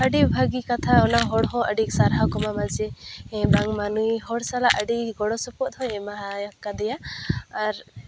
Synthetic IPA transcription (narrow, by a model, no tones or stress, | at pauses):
əɖibʱaɡikat̪ʰaɔnaɦɔɽɦɔ̃ʔəɖiksaɾɦakɔmamad͡ʒɛɛ̃baŋmanuiɦɔɽsalaʔəɖiɡɔɽɔsɔpɔʔd̪ʰʱɔ̃ɛ̃maɦajakːad̪ɛjaaɾ